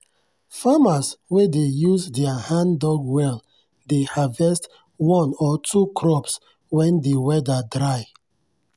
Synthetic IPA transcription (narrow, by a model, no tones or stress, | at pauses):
famaswedejuzdɛahãndɔɡwɛl | dehavɛst | wɔ̃nɔtʰukʰɹɔps | wɛ̃ndewɛdədɹaj